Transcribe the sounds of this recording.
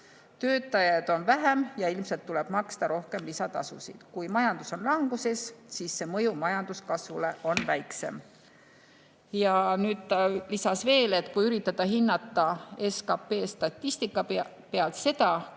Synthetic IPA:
t̪ø̞ːt̪ːˑɑjɑd̪̥o̞nvæɦæmjɑilmse̞lt̪ːuleb̥mɑkst̪ɑɾo̞hke̞mlisɑt̪ɑ̰sṵsḭd̪̥kujmɑjɑnd̪̥uso̞nlɑŋɡ̥use̞ssisːe̞mɤjumɑjɑnd̪uskɑsvule̞ʔo̞nvæjkse̞̰m | jɑnyːd̪̥t̪ɑlisɑsve̞ːle̞t̪ːˑkujyɾit̪ːˑɑt̪ːɑɦinːɑt̪ːˑɑeskɑpe̞ːst̪ɑt̪ːisʲt̪ikːˑɑ | pe̞ɑlt̪se̞t̪ɑ

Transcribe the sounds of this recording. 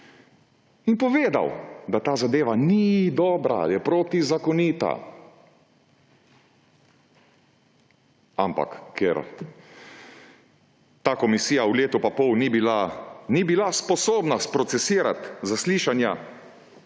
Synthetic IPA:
inpɔʋeːd̪a̰wd̪at̪aːzad̪eːʋanid̪ɔːbɾa̰jɛpɾoːt̪izakɔniːt̪a̰ | ampa̰kːɛ̰ɾ | t̪aːkɔmisiːjauleːt̪upapɔwniilanibilaspɔsoːbnaspɾɔt̪sɛsiːɾa̰t̪zasliʃanja

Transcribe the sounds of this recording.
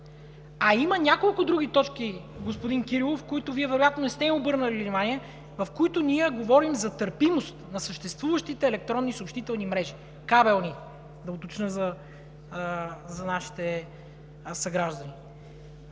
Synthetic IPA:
ɐimɐnʲakolˠkʊd̪ɾuɡ̟it̪ɔt͡ʃkiɡospʊd̪inkiɾilˠofkoit̪ʊviɛvɛɾojat̪nonɛst̪ɛiobɤɾnəlʲinimaniɛ | vɐfkoit̪ʊnʲiɛɡovɔɾimzɐt̪əɾpimost̪nɐsəʃt̪ɛst̪vuvəʃt̪it̪ɛːlɛk̚t̪ɾɔnːisopʃt̪it̪ɛlˠnimɾɛʒi | kabɛlˠni | d̪ɐot̪ot͡ʃnəzɐ | zɐnaʃi̥t̪ɛ | sɐɡɾaʒd̪əni

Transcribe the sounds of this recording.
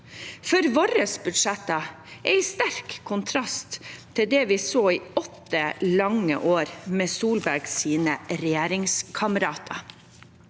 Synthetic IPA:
fɔɾʋoɾəsbʉd̪ʂɛt̪ɑ | ʔæɪst̪æɾkʰːʊnt̪ʰɾɑst̪ʰː | ɪld̪ɛːʋɪsoːiːɔt̪ːəlɑŋə̰ʔoːɾmeːsuːlbæɾɡsiːnəɾɛjeːɾɪŋskʰɑməɾɑːt̪ʰɑ

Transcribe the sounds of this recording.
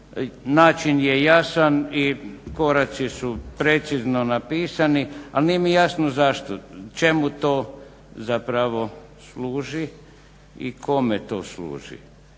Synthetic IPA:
naːt͡ʃinjejasaniko̞ɾat̪sisupɾe̞t̪siznonapiːsanialnijemijasnozaʃt̪ot͡ʃe̞mut̪oː | zapɾaʋo̞ | sluːʒi | ḭkʰo̞met̪o̰ːslṵːʒḭ

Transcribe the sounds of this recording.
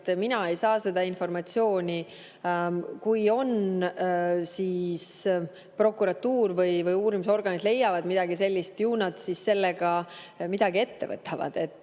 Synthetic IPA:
t̪minɑe̞jsɑːse̞d̪̥ɑinfo̞rmɑt̪sio̞ːnʲi | kujo̞n | siːs | pro̞kːuɾɑt̪ːuːrvɯjvɯjuːɾimuso̞rɡ̥ɑnʲid̪le̞jːɑvɑd̪̥mid̪̥ɑɡise̞lʲːist̪juːnɑt̪sisse̞lːeɡ̥ɑmid̪̥ɑɡ̥ie̞t̪ːe̞̰vɤ̰t̪ːˑɑvɑ̰d̪̥e̞t̪ːˑ

